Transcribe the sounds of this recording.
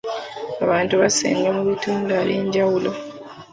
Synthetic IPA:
aβaːntuβasḛːŋɡamuβutuːndaleːɲɟawulo

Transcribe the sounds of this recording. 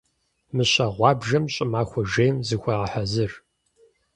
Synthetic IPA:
mɨɕɐʁʷɑːbʒɐmɕʼɪmaːxʷɔʒejmzɨxʷɐʁɐħazɨr

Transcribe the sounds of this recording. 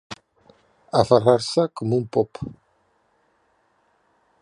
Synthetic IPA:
afaraɾsakɔmumpɔp

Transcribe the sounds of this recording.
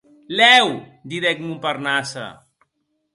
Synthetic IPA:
lɛw | d̪iðɛkmumparnasa̰

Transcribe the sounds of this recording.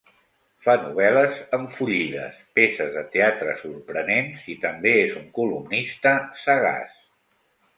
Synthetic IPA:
fanuβ̞ɛləzəɱfuʎiʎðə̰spesəzðət̪eat̪ɾəsuɾpɾənenzit̪əmbeezuŋkulumnist̪əsəɣa̰s

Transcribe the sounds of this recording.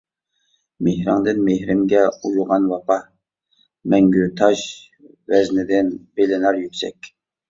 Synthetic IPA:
mehɾɑŋd̪ɨnmehɾɪmɡʲɛujuʁɑnwɑpɑ | mɛŋɡʲyt̪ʰɑʃ | vɛznɪd̪ɪnb̥elɪnɑɾjykʲsɛ̰kʲ

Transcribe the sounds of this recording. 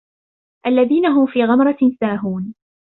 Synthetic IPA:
ʔalːaðiːnaɦʊmfiːɣamɾˤɑsaːɦuːn

